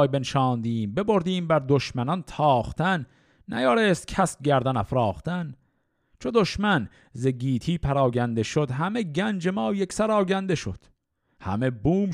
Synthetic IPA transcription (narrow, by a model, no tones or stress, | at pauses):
jbenʃɒːnd̪iːmbe̞bo̞ɾd̪iːmbæɾd̪oʃmænɒnt̪ʰɒːχt̪ʰænː | æ̰jɒːɾeːst̪̚kʲʰæs̚ɟæɾd̪ænæfɾɒːχt̪ʰæn | t͡ʃʰod̪o̞ʃmæn | zeɡiːt̪ʰiːpʰæɾɒːɟænd̪e̞ʃod̪ɦæme̞ɟænd͡ʒe̞mɒːjeksæɾɒːɟænd̪eʃo̰d̪̥ | hæ̰mebuːm